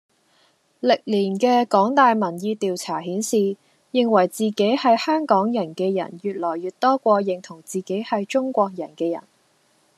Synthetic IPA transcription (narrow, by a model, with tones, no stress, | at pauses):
lɪ˨k̚liː˨˩nkɛː˧kɔː˨˥ŋt̪aː˨jmɐ˨˩njiː˧t̪iː˨wt͡sʰaː˨˩ɦiː˨˥nsiː˨ | jɪ˨˧ŋwɐ˨˩jt͡siː˨ke˨˥jhɐ˨jhœː˥ŋkɔː˨˥ŋjɐ˨˩nkɛː˧jɐ̰˨˩njyː˨t̚lɔː˨˩jɥyː˨t̚t̪ɔː˥kʷɔː˧jɪ˨ŋt̪ʰʊ˨˩ŋt͡siː˨ke˨˥jhɐ˨jt͡ʃʊ˥ŋkʷɔː˧k̚jɐ˨˩nkɛː˧jɐ̰˨˩n